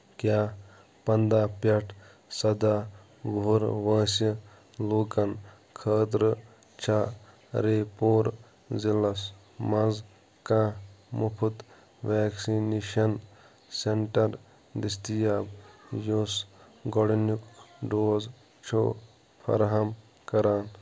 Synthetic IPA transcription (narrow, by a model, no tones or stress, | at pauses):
kjaː | pɐnd̪aːpɐʈʰ | sɐd̪aː | ɡouɾʋɐ̃ːsɐ | loːkɐn | kʰəːd̪ɾɨ | t͡ʃʰaː | ɾeːpoːɾ | zilɐs | mɐz | kãːmupʰut̪ | ʋaːksineːʃɐn | seɳʈɐɾ | d̪ist̪ijaːbjos | ɡɔɽnukɖoːz | t͡ʃʰo̰ː | pʰɐ̰ɾɦɐm | kɐɾaːn